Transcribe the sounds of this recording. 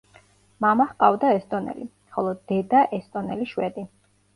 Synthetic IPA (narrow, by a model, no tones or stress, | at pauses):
mamaχqʼavd̪aɛst̪ʼɔnɛ̰li | χɔlˠɔd̪ɛd̪aʔɛst̪ʼɔnɛliʃwɛd̪i